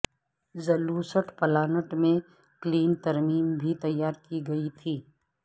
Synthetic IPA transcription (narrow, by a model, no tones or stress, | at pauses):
zɐluːsəʈpɐlaːnəʈmẽ | kliːnt̪ɐɾmiːmbʱit̪ɐjːaːɾkiɡɐit̪ʰiː